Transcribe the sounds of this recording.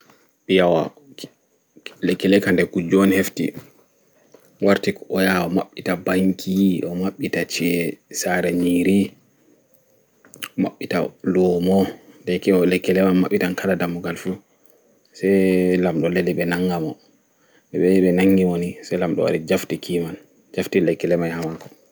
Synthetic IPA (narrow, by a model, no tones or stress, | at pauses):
ɓijawa̰ | lɛkːɛlɛkandɛkud͡ʒɔnheftḭ | waɾtikɔjaɔmaɓːitabaŋkʰiʔɔmaɓːitat͡ʃɛsaɾɛɲiɾi | ɔma̰ɓːita̰lɔmɔdɛkɛɔlɛkːɛlɛmanmaɓːitankaladamuɡalfu | sɛjlamɗɔleliɓɛnaŋɡamɔ | ɛɓɛɓɛnaŋɡiwonisɛjlamɗɔ̰wa̰ɾid͡ʒaftikʰiman | d͡ʒaftilɛkːɛlɛmajhamakɔ̥